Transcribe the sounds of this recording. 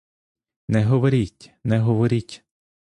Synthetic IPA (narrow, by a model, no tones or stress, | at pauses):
nɛɦɔʋɔɾʲitʲnɛɦɔʋɔɾʲitʲ